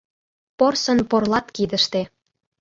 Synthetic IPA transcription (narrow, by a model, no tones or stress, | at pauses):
porsɤ̆nporlˠɑt̪kid̪ə̆ʃt̪e